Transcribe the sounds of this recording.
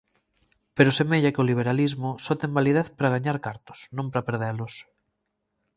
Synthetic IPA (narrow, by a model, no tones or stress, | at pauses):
peɾʊsemeʎakɪoliβ̞eɾalizmʊsɔt̪embalið̞eðpɾaɣ̞aɲaɾkaɾt̪ʊ̥snõmpɾɐpeɾðɛɾlʊs